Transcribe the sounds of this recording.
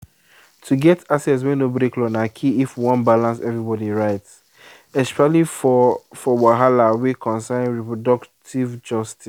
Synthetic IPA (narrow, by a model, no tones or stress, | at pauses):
tʰuɡɛtasɛts̬wɛ̃nobɾeklɔ̃nakʰiifwɔ̃nbalãnsɛvɹibɔdiɹaɪts | ɛspɛali | fɔwaɦalawikʰɔ̃nsãɹipɹɔdɔktʰivd͡ʒɔstʰi